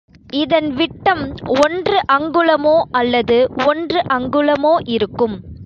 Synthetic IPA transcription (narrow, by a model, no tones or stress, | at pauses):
ɪðɐnʋɪʈːɐmɔndrɯʔɐŋɡɯɭɐmoːɐlːɐðɯɔndrɯʔɐŋɡɯlɐmoːʔɪɾɯkːɯm